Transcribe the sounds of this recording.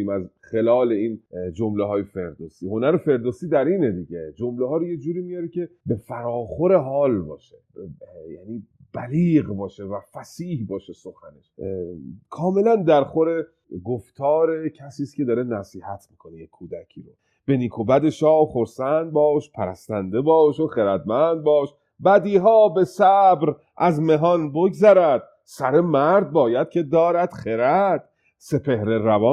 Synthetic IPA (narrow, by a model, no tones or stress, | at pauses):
iːmæzxe̞lɒːleiːnd͡ʒomleɦɒːjefe̞ɾd̪osiho̞næɾefe̞ɾd̪osiːd̪æɾiːned̪iɟed͡ʒomlehɒːɾojed͡ʒuːɾiːmijɒɾecʲʰe̞befæɾɒːxo̞ɾeɦɒːlbɒ̰ːʃe̥jæ̰niː | b̥æliːɣbɒːʃevæfæsiːhbɒːʃeso̞xæne̞̰ʃ | kʰɒːme̞lænd̪æɾxoɾe | ɡoft̪ʰɒːɾe̞cʰæsiːscʰʲe̞d̪ɒːɾe̞næsiːhæt̪ʰmiːkʰo̞nejekʰːuːd̪æcʰiːɾo | b̥e̞niːkʰobæd̪eʃɒːxoɾsænd̪̚bɒːʃpʰæɾæ̰st̪ænd̪e̞bɒːʃoxeɾæd̪̚mænd̪̚bɒːʃ | bæd̪iːɦɒːbe̞sæbɾ | ʔæzme̞ɦɒnboɡzæɾæd̪̥̚ | sæɾe̞mæɾd̪̚bɒːjæd̪̥̚cʰe̞d̪ɒːɾæd̪̥xeɾæd̪̥̚ | se̞pʰe̞hɾe̞ɾævɒː